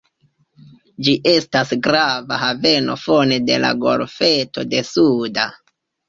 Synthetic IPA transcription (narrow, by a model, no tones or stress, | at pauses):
d͡ʒiʔe̞stasɡɾavaɦave̞no̞̰fo̞ne̞de̞̰la̰ɡo̞̰ɾfe̞to̞de̞suda